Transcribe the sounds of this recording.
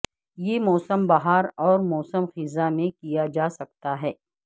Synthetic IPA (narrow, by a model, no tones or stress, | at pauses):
jemɔːsəmbɐɦaːɾɔːɾmɔːsəmxɪzamẽkijad͡ʒaːsɐk̚t̪aɦɛː